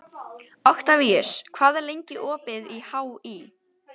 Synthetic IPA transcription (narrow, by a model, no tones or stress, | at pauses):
ɔxt̪aviɛskʰv̥aːðɛɾlejɲcɪʔɔːpɪðihaːwi